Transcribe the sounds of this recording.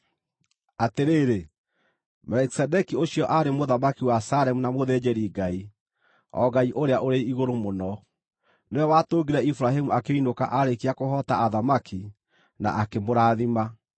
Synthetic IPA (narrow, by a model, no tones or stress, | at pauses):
ateɾeːɾe | mɛlɛki̥sɛdɛkioɕjɔʔaɾemoðamakiwasaɾɛmunamoðɛd͡ʑɛɾiɡai | ɔ̰ɡaiʔoɾeaʔoɾeiɣoɾomonɔ | neɔwatoːɡiɾɛifuɾaɦemuakeinoka̰ʔaɾekiakoɦɔtaaðamaki | na̰ʔakemoɾaːðima